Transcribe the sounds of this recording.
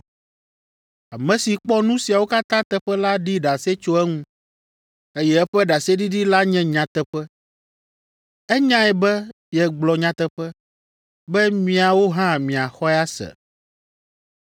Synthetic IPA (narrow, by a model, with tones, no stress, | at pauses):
a˨mɛ̃˨si˨k͡pɔ˦nũ˦si˨a˨wo˦ka˦t̪ã˦t̪ɛ˦ɸɛ˦la˦ɖi˦ɖa˨se˦t͡ʃo˦ɛ˦ŋũ˦ | e˦jɛ˦ɛ˦ɸɛ˦ɖa˨se˦ɖi˦ɖi˦la˦ɲɛ̃˦ɲã˨t̪ɛ˦ɸɛ˦ | ɛ˦ɲã˦ɛ˨bɛ˦ | jɛ˨ɡ͡blɔ˨ɲã˨t̪ɛ˦ɸɛ˦ | bɛ˦mĩ˨a˨wo˦ɦã˦mĩ˨a˨xɔ˦ɛ˦a˦sɛ̰˨